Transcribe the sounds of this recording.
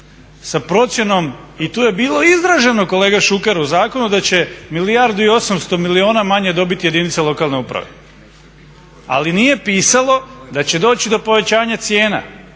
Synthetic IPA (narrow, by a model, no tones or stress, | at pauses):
sapɾo̞t̪sje̞no̞mit̪uːje̞biːlˠo̞izd̪ɾaʒe̞no̞ko̞le̞ːɡaʃukeɾuzaːko̞nud̪at͡ɕe̞milijaɾd̪uio̞samst̪o̞milio̞ːnamaɲe̞d̪o̞bit̪ijed̪init̪selˠo̞kaːlˠne̞upɾa̰ʋe̞̰ | a̰linije̞piːsalo̞d̪at͡ɕe̞d̪o̞ːt͡ɕid̪o̞po̞ʋe̞t͡ɕaːɲat̪sje̞ːna̰